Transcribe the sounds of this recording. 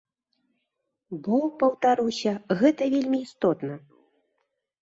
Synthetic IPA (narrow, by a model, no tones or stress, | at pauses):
bɔpɐwt̪aɾɨwsʲɐɣɛt̪ɐvʲelʲmʲiːst̪ɔt̪nɐ